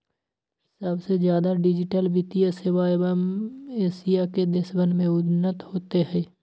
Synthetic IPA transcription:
səbsezjaːd̪aɖɪd͡ʒɪʈəlbɪt̪ijəseʋaeʋəmeːsijaked̪eʃbənmẽʊd̪nːət̪hoːt̪eɦɛ̃ː

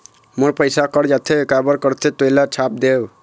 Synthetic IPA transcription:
moɾpəjsakɔɾd͡ʒat̪ʰeekabʌɾkɔɾt̪ʰet̪ojlat͡ʃʰap̚d̪ew

